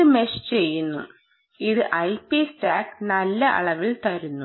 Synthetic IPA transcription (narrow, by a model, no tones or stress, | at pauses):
ɨmeɕt͡ɕe̞jːunːu | iðɨʔɐjpisʈaːknɐlːɐʔɐ̰ɭɐʋiɭt̪ɐɾunːu